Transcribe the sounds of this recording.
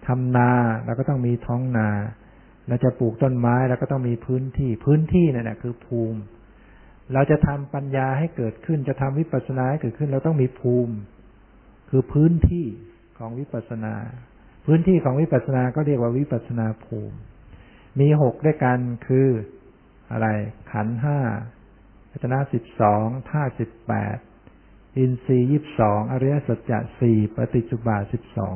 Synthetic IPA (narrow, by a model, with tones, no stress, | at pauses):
t̪ʰa˧mnaː˧ɾɛː˧˥˩wkɔː˥˩t̪ɔ˥˩ŋmiː˧t̪ʰɔː˦˥ŋnaː˧ | ɾa˧wt͡ɕa˨˩puː˨˩k̚t̪o˥˩nmaː˦˥jɾɛ˧˩wkɔː˥˩t̪ɔ˥˩ŋmiː˧pʰɯː˦˥nt̪ʰiː˥˩pʰɯː˦˥nt̪ʰiː˥˩na˥˩na̰˨˩kʰɯː˧pʰuː˧m | ɾa˧wt͡ɕa˨˩ʔt̪ʰa˧mpa˧njaː˧ɦa˥˩jkɤː˨˩t̪̚kʰɯ˥˩nt͡ɕa˨˩ʔt̪ʰa˧mwi˦˥pa˨t̪̚sa˧naː˧ha˥˩jkɤː˨˩t̪̚kʰɯ˥˩nɾɛ˧˥wt̪ɔ˥˩ŋmiː˧pʰuː˧m | kʰɯː˧pʰɯː˦˥nt̪ʰiː˥˩ | kʰɔː˩˦ŋwi˦˥pa˨˩t̪̚sa˧na̰ː˧ | pʰɯː˦˥nt̪ʰiː˥˩kʰɔː˩˦ŋwi˦˥pa˨t̪̚sa˧naː˧kɔː˥˩ɾi˥˩ək̚waː˥˩wi˦˥pa˨˩t̪̚sa˧naː˧pʰṵː˧m | miː˧ɦo˨˩k̚du˥˩jka˧nkʰɯː˧ | ʔa̰˧ɾa˧jkʰa˩˦nɦaː˥˩ | a˨˩t̪̚ʰa˧na˦˥si˨˩p̚sɔː˩˦ŋt̪ʰaː˥˩si˨˩pːɛ̰ː˨˩t̪̚ | ʔi˧nsiː˧jiː˥˩p̚sɔː˩˦ŋʔa˧ɾa˦˧˥ja˦˥sa˨˩t̪̚t͡ɕa̰˨˩siː˨˩pa˧t̪i˨˩t̪̚su˧˩baː˨˩si˨˩p̚sɔ̰ː˩˦ŋ